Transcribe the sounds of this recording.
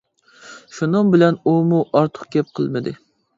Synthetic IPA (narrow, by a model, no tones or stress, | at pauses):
ʃunɨŋbɪlɛnumuʔɑɾt̪ʰə̥χ̚ɡʲɛp̚qʰəlˠmɨd̪ɪ